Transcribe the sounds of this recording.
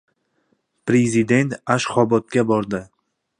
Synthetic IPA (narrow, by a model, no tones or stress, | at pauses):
pɾezid̪e̞nt̪aʃχɒbɒt̪̚ɡʲabɒɾd̪ɪ